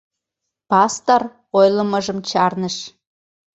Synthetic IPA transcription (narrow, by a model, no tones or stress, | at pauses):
pɑst̪or | ojləməʒəmt͡ɕɑrnəʃ